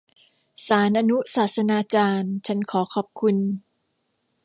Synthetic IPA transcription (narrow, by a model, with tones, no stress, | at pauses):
saː˩˦nʔaː˧nu˦˥saː˨˩t̪̚sa˧naː˧t͡ɕaː˧nt͡ɕʰa˦˥nkʰɔː˩˦kʰɔː˨˩p̚kʰu˧n